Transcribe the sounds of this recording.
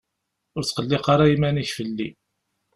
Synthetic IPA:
ʊɾt͡sqəlːɪqaɾajimæniçfəlːi

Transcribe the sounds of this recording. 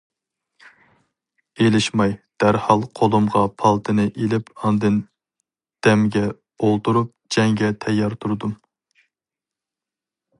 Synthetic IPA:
elɪʃmɑjd̪̥æɾhɑlˠqʰolˠumʁɑpʰɑlˠt̪ʰɨnɨʔelɪpɑnd̪ɨn | d̪̥ɛmɡʲɛ | olˠt̪uɾup̚d͡ʒɛŋɡʲɛt̪ʰɛjːɑɾt̪ʰuɾd̪um

